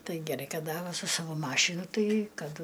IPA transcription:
ˈtɐɪ ɡʲɛˈrɐɪ ˈkɐt ˈdɐ ˈʋɐ sʊ ˈsɑːʋoː ˈmɑːʃʲɪnʊ ˈtɐɪ ˈkɐt

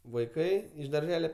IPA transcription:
ʋɐɪˈkɐɪ ɪʃ dɐrʲˈʒʲæːlʲɛ

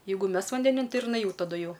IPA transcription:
ˈjɛɪɡʊ ˈmʲɛs ʋɐnʲdʲɛˈnʲɪn ˈtɐɪ ɪr jɪˈnɐɪ ˈjɛʊ tɐˈdʊ ˈjɛʊ

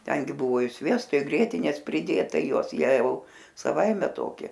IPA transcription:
ˈtʲɛŋʲɡʲɪ ˈbʊʋoː ɪ ˈsʲʋʲiɛstoː ɪ ˈɡrʲiɛtʲɪnʲeːs pʲrʲɪˈdʲeːtɐ ɪ ˈjuɔs ˈjiɛ ɐʊ sɐˈʋɐɪmʲɛ ˈtoːkʲɪ

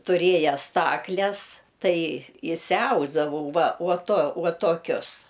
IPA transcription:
tʊˈrʲeːjɛ ˈstɑːklʲɛs ˈtɐɪ ɪʃʲsʲɪˈɐʊzdɐʋɐʊ ˈʋɐ uɔ tuɔ ˈuɔ toːˈkʲʊs

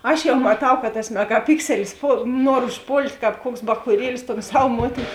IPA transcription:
ˈɐʃ jɛʊ mɐˈtɐʊ kɐ tɐs mʲɛɡɐˈpʲɪksʲɛlʲɪs ˈpoːlˠ ˈnuɔr ʊʃˈpoːlʲtʲ ˈkɑːp ˈkuɔks bɐxuːˈrʲiɛlʲɪs toːn ˈsɐw ˈmuɔtʲɪn

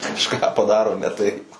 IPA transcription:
kɐʃˈkɑː pɐˈdɑːroː nʲɛ tɐɪp

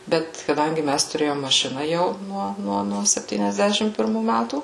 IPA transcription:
ˈbʲɛt kɐˈdɐŋʲɡʲɪ ˈmʲæs tʊˈrʲeːjoːm mɐˈʃʲɪnɐ jɛʊ ˈnuɔ ˈnuɔ nuɔ sʲɛpʲtʲiːnʲɛzʲˈdʲæːʃʲɪm pʲɪrˈmuː ˈmʲætuː

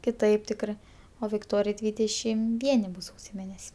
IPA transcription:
kʲɪˈtɐɪp ˈtʲɪkrɜ oː ʋʲɪkˈtoːrʲɪjɛɪ ˈdʲʋʲiːdʲɛʃʲɪm ˈʋʲiɛnʲɪ ˈbʊs ˈsɐʊsʲoː ˈmʲeːnʲɛsʲ

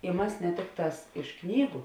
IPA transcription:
ɪ ˈmɑːsʲɪ nʲɛ ˈtʲɪkˌtɑːs ɪʃ ˈknʲiːɡʊ

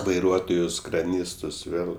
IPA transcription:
ʋɐɪˈruɔtoːjʊs krɐˈnʲiːstʊs ˈʋʲeːlˠ

